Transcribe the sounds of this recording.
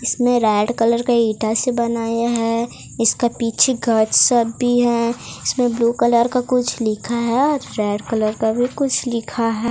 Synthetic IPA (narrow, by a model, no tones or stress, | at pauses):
ɪsmẽɾɛːɖkələɾkaiːʈasebɐnaːjaɦɛ | ɪskapiːt͡ʃʰeɡʱəʈsəbːiɦɛɪsmẽbluːkələɾkakʊt͡ʃʰlɪkʰaɦɛɔːɾːɛːɖkələɾkabʱikʊt͡ʃʰlɪkʰaɦɛː